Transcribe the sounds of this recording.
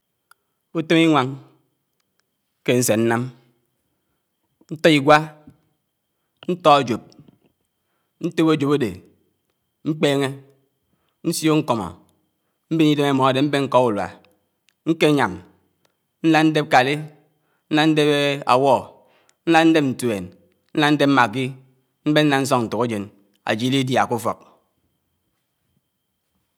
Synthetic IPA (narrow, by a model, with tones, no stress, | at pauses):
u˦te˦mi˦ŋʷa˨ŋ | ke˦n̩˦se˨n̩˦na˦m | n̩˦tɔ˦i˨ɡʷa˦ | n̩˦tɔ˦o˨d͡ʒo˨p̚ | n̩˦te˦bo˦˨d͡ʒo˨bo˦dḛ˨ | ŋ͡m̩˦k͡peː˦ŋe˦ | n̩˦sjo˦ŋ̩˦kɔ˨mɔ̰˨ | m̩˦be˦ni˦de˦me˦˨mɔ˨a˨de˨m̩˦be˦ŋ̩˦kɔ˦ku˨lwa̰˨ | ŋ̩˦ke˦ɲa˨m | n̩˦la˦n̩˦de˦p̚ka˨li˦ | n̩˦na˦n̩˦de˦be˦a̰˨wɔ˦˨ | n̩˦la˦n̩˦de˦p̚n̩˨te˨n | n̩˦la˦n̩˦de˦p̚m̩˦ma˨ki˦ | m̩˦be˦n̩˦na˦n̩˦s̬ɔ˦ŋn̩˨tu˨ko˦d͡ʒe˨n | a̰˨d͡ʒi˨˦li˦dja˨ku˦fɔ̰˨k̚